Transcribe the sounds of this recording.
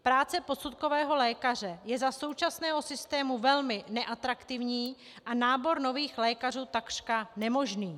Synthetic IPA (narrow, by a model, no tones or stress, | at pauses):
pɾaːt͡sɛpo̞sut̪ko̞vɛːɦo̞lɛːkar̝ɛjɛzaso̞wt͡ʃasnɛːɦo̞sɪst̪ɛːmuvɛlmɪnɛʔat̪ɾakt̪ɪvɲiː | ʔanaːbo̞ɾno̞viːxlɛːkaruːt̪akr̥kanɛmo̞ʒniː